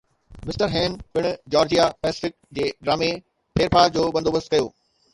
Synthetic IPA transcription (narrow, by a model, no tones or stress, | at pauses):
mɪsʈəɾɦɛ̃ːnɓɪɽ̃ʊd͡ʑɔːɾd͡ʑijapɛːsɪ̥fɪk̚d͡ʑeːɖɾaːme | pʰeːɾpaːɾd͡ʑoːbɐ̃nd̪oːbəst̪kɐjo̰ː